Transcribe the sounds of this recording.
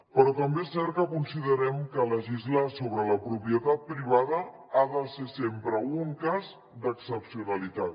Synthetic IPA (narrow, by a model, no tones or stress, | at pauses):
pəɾɔt̪əmbeesɛɾt̪kəkunsiðəɾɛmkələʒizləsoβɾələpɾupiət̪at̪̚pɾiβ̞að̞ə | aðəsesempɾəuŋkaz | d̪əksəpsiunəlit̪at̪̚